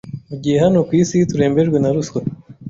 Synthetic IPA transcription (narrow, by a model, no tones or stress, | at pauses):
uɟiɦeɦanokwiːsit̪uɾe̞ːmbe̞ɾɡwenaɾusko